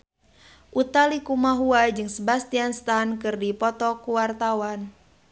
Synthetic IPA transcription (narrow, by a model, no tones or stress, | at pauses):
ʔut̪alikumaɦuad͡ʒɨŋsəbast̪ianst̪ankɨrdipɔt̪ɔkuwart̪awan